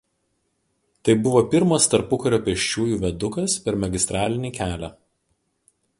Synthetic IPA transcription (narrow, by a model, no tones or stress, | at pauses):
t̪ɐɪbʊʋoːpʲɪɾmɐst̪ɐɾpʊkɐɾʲoːpʲɛʃʲt͡ʃʲuːjuːʋʲɛd̪ʊkɐspʲɛɾmʲɐɡʲɪst̪ɾɑːlʲɪnʲiːkʲæːlʲæː